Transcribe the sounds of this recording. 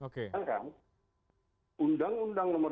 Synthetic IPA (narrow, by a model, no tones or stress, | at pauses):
okeŋka̰n | undaŋundaŋnəmər